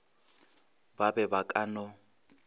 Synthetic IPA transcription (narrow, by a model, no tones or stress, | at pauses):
babɛbakʼanɔ